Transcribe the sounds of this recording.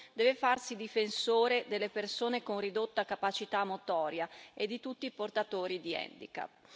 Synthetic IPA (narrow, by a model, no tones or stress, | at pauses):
d̪ɛːvefarsid̪ifensoːɾed̪elːepersoːnekonrid̪ot̪ːakapat͡ʃit̪amːot̪ɔːɾjaed̪ːit̪ut̪ːiːport̪at̪oːɾid̪iɛ̰nd̪ḭka̰